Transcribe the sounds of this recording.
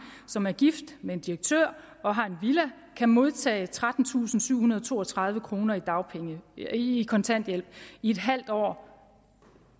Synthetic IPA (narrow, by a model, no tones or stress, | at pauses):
sɒ̽mæɐɡ̥ifd̥mee̝nd̥iʁɐɡ̥̚t͡sʰøɐ̰ | ɒ̽ɦɑ̈e̝nʋilæ | kʰæmo̝ð̞ˠt͡sʰɛ̰ːɪt͡sʰʁad̥n̩t͡sʰṵːsn̩syʊhunɐð̞ˠt͡sʰo̝̰ːɒt͡sʰʁɑ̈ð̞ˠʋəkʰʁo̝ːnɐid̥ɑ̈ʊpʰeŋəikʰɒ̽nt͡sʰæn̰d̥jel̰b̥̚ie̝d̥ɦæl̰d̥ɒ̰ː